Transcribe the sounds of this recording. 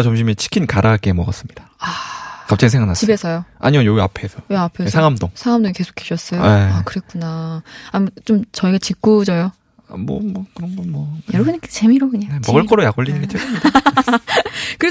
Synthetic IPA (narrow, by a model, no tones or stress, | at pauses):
t͡ɕomɕ̬ʰimet͡ɕʰi̥kʰinkaɾʔak͈emʌɡʌs͈ɯmɲid̥aakap̚t͡ɕ͈aɡisʰeŋanat͡ɕibesʰʌjoa̰ɲimʌjoɡiapʰesʰʌjeapʰesʰaŋamdoŋsʰaŋamdoŋike̞sʰo̥kʰeɕʰʌs͈ʌjoeakɯɾe̞k͈unaamt͡ɕomt͡ɕʌiɡat͡ɕik͈ud͡ʑʌjo | amwʌ̰mʌkɯɾʌŋɡʌnmwʌjʌɾʌbunikt͡ɕemiɾokɯɲaemʌɡɯɭk͈ʌɾojaɡoʎːinɯnɡet͡ɕ͈ʰiɯmid | kɯɾe